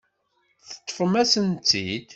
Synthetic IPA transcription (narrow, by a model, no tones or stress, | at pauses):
θə̥t̪ˤːfəmæsənt̪ːid̪